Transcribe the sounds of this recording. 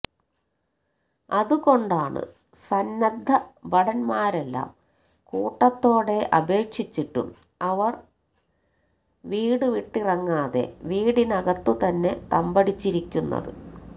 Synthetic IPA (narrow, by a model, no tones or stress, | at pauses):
ɐðuɣo̞ɳɖaːɳɨ̰ | sɐnːɐd̪ʱːɐbɐɽɐnmaːɾe̞lːa̰ːm | kuːʈːɐt̪ːo̞ːɽe̞ʔɐbe̞ːkʂit͡ɕːiʈːṵm | ɐʋɐr | ʋiːɽɨʋiʈːirɐŋːaːðe̞̰ʋiːɽinɐɣɐt̪ːut̪ɐnːe̞t̪ɐmbɐɽit͡ɕːiɾikʲːunːɐ̰ðɨ̰